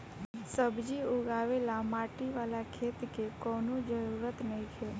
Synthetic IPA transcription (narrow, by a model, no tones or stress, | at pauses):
səbd͡ʒiʊɡaːʋelamaːʈiʋaːlakʰeːt̪kekɔːnod͡ʒəɾuːɾət̪nəĩkʰe